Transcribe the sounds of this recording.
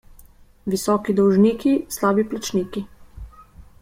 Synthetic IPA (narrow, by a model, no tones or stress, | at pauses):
ʋisɔːkid̪ɔwʒniːkislaːbiplat͡ʃniːki